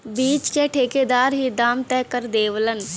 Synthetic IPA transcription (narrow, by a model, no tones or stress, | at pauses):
biːt͡ʃkeʈʰeːked̪aːɾɦid̪aːmt̪ɛːkəɾd̪eːʋlən